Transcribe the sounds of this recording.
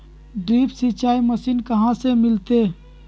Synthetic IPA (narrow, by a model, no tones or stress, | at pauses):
ɖɾiːpsɪt͡ʃaːiməsiːnkɐɦãsemɪlt̪e